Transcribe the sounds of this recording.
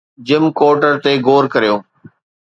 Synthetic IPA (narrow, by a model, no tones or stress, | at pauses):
d͡ʑɪmkoːɾʈəɾt̪eɡoːɾkɐɾijoː